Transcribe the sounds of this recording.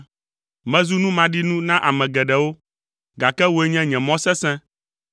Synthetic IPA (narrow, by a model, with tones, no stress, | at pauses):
mɛ̃˦zu˦nũ˦mã˨ɖi˦nũ˦nã˦ʔa˨mɛ̃˨ɡɛ˨ɖɛ˨wo˦ | ɡa˨kɛ˦wo˦e˦ɲɛ̃˦ɲɛ̃˨mɔ̃˦sɛ˦sɛ̃˦